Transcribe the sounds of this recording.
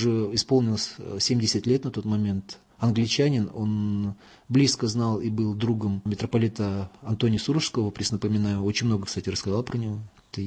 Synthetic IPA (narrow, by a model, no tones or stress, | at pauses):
ʐɛɪspo̞lˠnʲɪlˠəsʲsʲemʲdʲɪsʲɪt̪ʲlʲet̪nɐt̪o̞t̪mɐmʲe̞nt̪ | ɐnɡlʲɪt͡ɕænʲɪno̞̰n | blʲiskəznɑlˠibɨlˠd̪ɾuɡəmmʲɪt̪ɾəpɐlʲit̪əɐnt̪o̞nʲɪjəsuɾəʂskəvəpɾʲɪsnəpəmʲɪnajʊo̞t͡ɕɪnʲmno̞ɡəkst̪atʲɪrəskɐzɑlˠpɾənʲɪvo̞ | t̪ə